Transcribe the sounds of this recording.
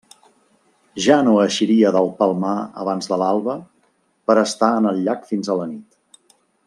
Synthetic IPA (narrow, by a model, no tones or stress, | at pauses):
ʒanoəʃiɾiəðəlˠpəlˠmaə̰β̞anzðəlalˠβə | pəɾəst̪aənəlʎakfinzələnit̪